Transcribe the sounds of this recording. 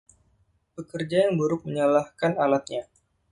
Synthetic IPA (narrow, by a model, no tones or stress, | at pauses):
pəkərd͡ʒajaŋbəɾʊk̚məɲalahkanalat̪̚ɲa